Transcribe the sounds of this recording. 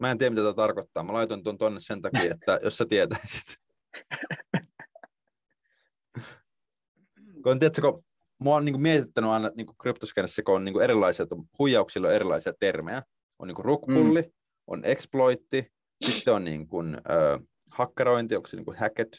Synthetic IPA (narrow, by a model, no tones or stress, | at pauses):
mæːent̪iːæmit̪æt̪æt̪ɑrkot̪ːɑːmælɑjt̪ont̪uont̪onːessent̪ɑkiːet̪ːæjosːæt̪iet̪æisi̥t̪ | kont̪iæt̪ːæko | monniːkumiet̪it̪ːænyɑinɑniːŋkukrypt̪oskenesːækoonniːkueɾilːɑisiɑt̪ohujɑuksilːoeɾilːˑɑ̰isiɑt̪ermejæ | o̰niːŋkurukpulːi | ʔo̰nʔeksploit̪ːi | sit̪ːeonnḭːŋkunø̰ː | hɑkːeɾoint̪ioksinḭŋkuhæket̪